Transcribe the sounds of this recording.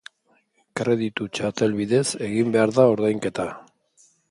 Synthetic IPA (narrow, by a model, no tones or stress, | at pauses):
kɾe̞ðit̪ut͡ʃat̪e̞lβiðe̞se̞ɣimbe̞aɾðao̞ɾðajŋke̞t̪a